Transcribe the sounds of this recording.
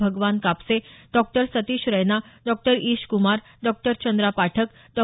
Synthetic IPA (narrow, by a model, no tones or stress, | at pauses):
bʱəɡʋankapseɖɔk̚ʈəɾsət̪iːɕɾəjnaɖɔk̚ʈəɾiːɕkumaɾ | ɖɔk̚ʈəɾt͡ɕənd̪ɾapaʈʰək | ɖɔ